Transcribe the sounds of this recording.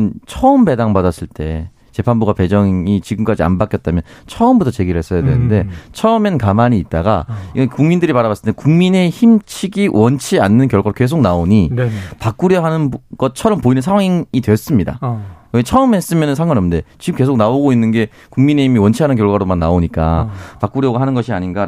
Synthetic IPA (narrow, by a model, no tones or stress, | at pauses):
nt͡ɕʰʌɯmbe̞daŋbadas͈ɯɭt͈e̞ | t͡ɕe̞pʰanbuɡape̞d͡ʑʌŋit͡ɕiɡɯmk͈ad͡ʑia̰nbak͈jʌt̚t͈amjʌnnt͡ɕʰʌɯmbutʰʌt͡ɕe̞ɡiɾɭhe̞s͈ʌjadwḛnɯnde̞t͡ɕʰʌɯmenkamaɲiːt̚t͈aɡa̰iɡʌkuŋmindɯɾipaɾaβas͈ɯ̥tekuŋmine̞çimt͡ɕʰiɡiwʔʌnt͡ɕʰianːɯnkjʌɭɡwaɾoke̞s̬ʰok̚naoɲipak̚k͈uɾjʌɦanɯnɡ̥ʌt̚t͡ɕʰʌɾʌmpoinɯnsʰaŋwaŋŋidwe̞jʌs͈ɯmɲida̰ket͡ɕʰʌɯme̞s͈ɯmjʌnɯnsʰaŋɡwanʌmnde̞t͡ɕiɡɯmke̞sʰok̚naoɡoinːɯnɡe̞ | kuŋmine̞himiwʌnt͡ɕʰiɦanɯnk̬ʲjʌɭɡwaɾomanːaoɲik͈a̰pak͈uɾjʌɡaɦanɯnɡʌɕʰiaɲinɡa